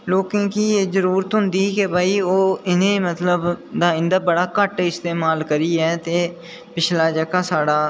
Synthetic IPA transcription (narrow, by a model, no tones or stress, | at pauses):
loːkɪ̃ːkiːeːzəɾuːɾət̪ɦʊ̃nd̪iːkebʱaːiːoːɪnẽːmət̪ləbd̪aːɪ̃nd̪aːbəɽaːkəʈɪst̪eːmaːlkəɾiːɛːt̪eː | pɪt͡ʃʰlaːd͡ʒəkaːsaːɽaː